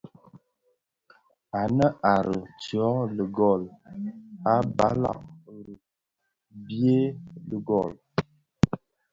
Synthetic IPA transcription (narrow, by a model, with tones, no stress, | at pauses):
a˨nə˦ʔa˨ɾə˨t͡sɥɔ˨˦lə˨ɡɔ˦˨l | a˦ba̰˦la̰˨ʔɾə˨ | bje˦lə˨ɡɔ˦˨l